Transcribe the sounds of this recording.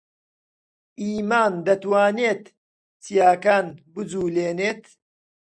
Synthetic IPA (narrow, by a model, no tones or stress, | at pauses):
ʔiːmaːnd̪ɐt̪waːneːt̪ | t͡sijaːkaːnbɨd͡zuːleːneːt̪